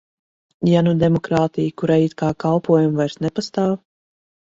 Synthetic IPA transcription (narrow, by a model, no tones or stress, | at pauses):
janud̪ɛmɔkɾaːt̪ijkuɾajiːt̪̚kaːkalˠpuɔjumvajɾsnɛpast̪aːw